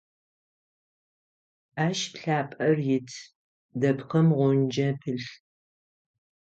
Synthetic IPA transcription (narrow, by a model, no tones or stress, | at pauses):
aːʃpɬaːpʼɐrjɪtʰ | dɐpqɐmʁʷʊnd͡ʒɐpʰɨɬ